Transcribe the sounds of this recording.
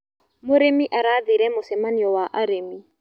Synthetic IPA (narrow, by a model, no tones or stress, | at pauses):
moɾemiʔaɾaðiɾɛmosɛmaniɔwaʔaɾemi